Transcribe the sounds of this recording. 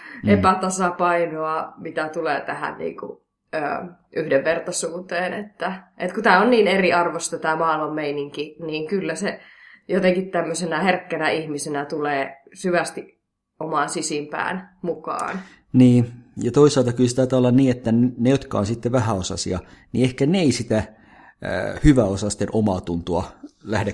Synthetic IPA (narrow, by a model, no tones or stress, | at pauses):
epæt̪ɑsɑpɑinoɑmit̪æt̪uleːt̪æhæ̰nnḭːŋkṵ | ø̰ː | ʔyhdeʋʋert̪ɑsuːt̪eːnḛt̪ːæʔet̪kut̪æːonniːneriɑrʋost̪ɑt̪æːmɑːlomːeiniŋkiniːŋkylːæse | jot̪eŋkit̪t̪æmːøsenæherkːænæihmisenæt̪uleː | syʋæst̪iʔ | omɑːnsisimpæ̰ːnmukɑ̰ːn | niːjɑt̪oisˑɑːˑlt̪ɑkylset̪ɑit̪ɑːolːɑnniːet̪ːænnejot̪kɑ̰onsit̪ːeʋæhæosɑ̰siɑnḭehkæneeisit̪æ | hyʋæosɑst̪ːenʔomɑːt̪unt̪uɑlæhde